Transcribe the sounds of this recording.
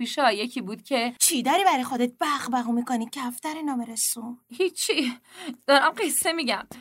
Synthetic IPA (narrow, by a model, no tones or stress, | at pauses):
piːʃeɒjecʰiːbuːd̪̥cʰe̞t͡ʃʰiːd̪ɒɾiːbæɾɒjxod̪et̪̚b̥æʁbæɣumikonid̪̚cʰeæft̪æɾenɒːmeɾesuhit͡ʃʰːid̪̥ɒɾæmɢesːemiɟæm